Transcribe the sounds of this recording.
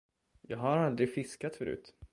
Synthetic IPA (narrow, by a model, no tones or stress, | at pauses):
jɑːɡɦaɾald̪ɾɪfɪskat̪fœɾʉ̟̰ːt̪